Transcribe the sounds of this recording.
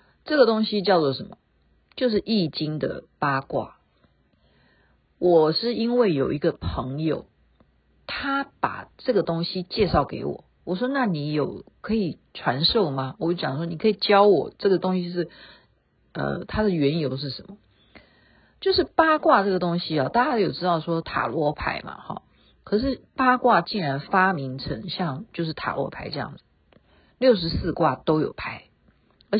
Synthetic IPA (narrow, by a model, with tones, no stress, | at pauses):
ʈ͡ʂɤ˥˩ɡə˩t̪ʊ˥ŋɕi˦t͡ɕjɑ˥˧ʊt͡sɔ˥˩ʂə˧˦nmɐ̰˩ | t͡ɕjo˥˧ʊʂ̬ɻ̩˥˩ʔi˥˩t͡ɕi˥ŋd̪ə̰˨pa˥kwa̰˥˩ | wʔɔ˨˩ʂɻ̩˥˩i˥nwe˥˩ɪjo˨˩ʊi˧˥ɡə˧pʰɤ˧˥ŋjo̰˨˩ʊ | t̪ʰa˥pa̰˨˩ʈ͡ʂɤ˥˩ɡə˩t̪ʊ˥ŋɕi˦t͡ɕjɛ˥˧ʂɑ˥˩ʊke˧˥ɪwɔ̰˨˩˦wɔ˨˩ʂ̬wɔ˥na˥˩ni˧˥jo˨˩ʊkʰɤ˧˥i˨˩ | ʈ͡ʂʰwa˧˥nʂo˥˩ʊma˨wɔ˨˧˦t͡ɕjɑ˨˩ŋʂwɔ˥ni˨˩kʰɤ˧˥i˨˩t͡ɕjɑ˥ʊwɔ˨˩ʈ͡ʂɤ˥˩ɡə˩t̪ʊ˥ŋɕi˧˥ʂ̬ɻ̩˥˩ | ə̰˧t̪ʰa˥d̪ə˨ɥɛ˧˥njo˧˥ʊʂ̬ɻ̩˥˩ʂə˧˥nmə˧ | t͡ɕjo˥˧ʊʂɻ̩˥˩pa˥kwa˥˧ʈ͡ʂɤ˥˩ɡə˩t̪ʊ˥ŋɕi˥ɐ˨t̪a˥˩t͡ɕja˥jo˨˩ʈ͡ʂɻ̩˥t̪ɑ˥˩ʊʂwɔ˥t̪ʰa̰˨˩lwɔ˧˥pʰa̰˧˥ɪmɐ̰˧xɑ̰˥˩ | kʰɤ˨˩ʂ̬ɻ̩˥˩pa˥kwa˥˧t͡ɕi˥˩ŋɻa˧˥nfa˥mi˧˥ŋʈ͡ʂʰə̰˧˥ŋɕjɑ˥˧ŋt͡ɕjo˥˧ʊʂ̬ɻ̩˥˩t̪ʰa̰˨˩lwɔ̰˧˥pʰa˧˥ɪʈ͡ʂɤ˥˧jɑ̰˥˩ŋd͡zɹ̩˩ | ljo˥˩ʊʂ̬ɻ̩˧˥sɹ̩˥˧kwa˥˩t̪o˥ʊjo˨˩ʊpʰa˧˥ɪ | ə˧˥